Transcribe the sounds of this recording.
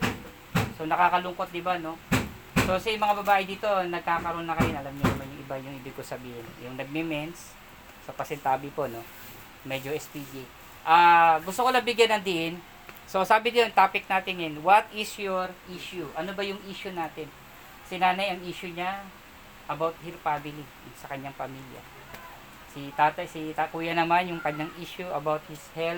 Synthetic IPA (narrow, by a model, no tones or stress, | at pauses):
sonɐkaːkɐlʊŋko̞t̪̚d̪ɪbano̞ | so̞sɐjmɐŋabɐbaːʔɪd̪iːt̪o̞nɐɡ̚kaːkɐɾoːnːɐkɐjonɐlamɲʊnɐmanjʊŋʔɪbajʊŋhɪbɪɡ̚kosɐbiːhɪnjʊŋnɐɡ̚mɛmɛns | sɐpɐsɛnt̪aːbɪpo̞no̞ | mɛd͡ʒoʔɛspid͡ʒi | ʔaːɡʊst̪okolnɐbɪɡjanɐŋd̪ɪʔɪn | so̞saːbɪnɪjont̪aːpɪk̚naːt̪ɪŋjɐnwɐt̪ɪsjoɾʔiːʃuʔɐnobɐjʊŋʔiːʃʊnaːt̪ɪn | sɪnaːnɐjɐŋiːʃʊɲa | ʔɐbawt̪̚hɪspamɪli | sɐkɐɲːaŋpɐmiljɐ̰ | sɪt̪aːt̪ɐsit̪ɐkuːjɐnɐmanjʊŋkɐɲːaŋʔiːʃuʔɐbawt̪̚hɪshɛl